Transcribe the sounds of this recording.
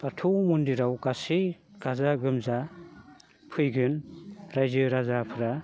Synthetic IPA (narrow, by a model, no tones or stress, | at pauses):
batʰumundiɾawɡasiɡ̥azaɡɯmza | pʰɯjɡɯnɾajzɯɾazapʰɯɾa